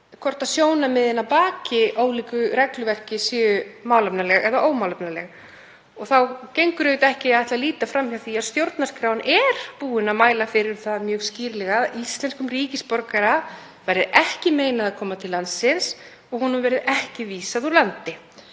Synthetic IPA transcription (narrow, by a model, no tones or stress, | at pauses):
kʰɔr̥t̪aðsjoːwnamɪðɪnːapaːcɪʔoːwliːkʏɾɛklʏvɛr̥cɪsʏːʏmawlapnalɛɣɛðaʔoːwmawlapnalɛɣ | ɔɣθawcejŋkʏɾʏjt̪ɛhcɪaðɛht̪laliːt̪afɾamhawθiaðst̪jowɾt̪narskɾawnʔɛɾ̥puːɪnamaːjlafɪɾɪɾ̥θaðmjœːɣsciːɾlɛɣaðist̪lɛnskʏmriːcɪspɔɾkaɾa | vaːjɾɪðɛhcɪmeːjnaðakʰɔːmat̪ʰɪlːansɪns | ɔɣhunʏvɛːɾɪðɛhcɪviːsaðulant̪ɪ